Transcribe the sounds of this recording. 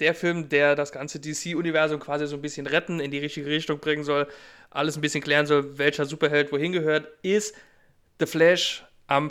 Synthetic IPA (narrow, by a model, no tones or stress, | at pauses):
d̥eːɐfɪlmdeːɐdasɡ̥ant͡sədisiːʊnivɛɐzʊmkʰv̥aːzizoːnbɪsçənʁɛtn̩ɪndiːʁɪçtɪɡəʁɪçtʊŋbʁɪŋənzɔl | ʔa̰ləsn̩bɪsçənkl̥ɛːʁənzɔlvɛlçɐzuːpɐɦɛltv̥oːhɪnɡəhøːɐtɪst | ð̥əflɛʃ | ʔam